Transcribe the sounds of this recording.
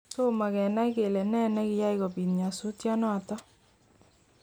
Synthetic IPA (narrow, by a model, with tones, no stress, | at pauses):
to˦ma˨kɛ˨na˦i˦ke˨lɛ˨nɛ˦nɛ˦kɪ˨˦ja˦ikɔ˨pi˨nɲa˨su˦tja˦nɔ˦˨tɔ˦